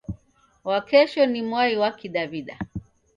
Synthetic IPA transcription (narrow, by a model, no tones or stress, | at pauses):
wakɛʃɔnimwaiwakiɗaβiɗa